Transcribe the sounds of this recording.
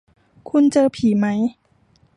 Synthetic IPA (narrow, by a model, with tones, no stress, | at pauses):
kʰu˧˥nt͡ɕɤː˧pʰiː˨˩˦ma˦˥j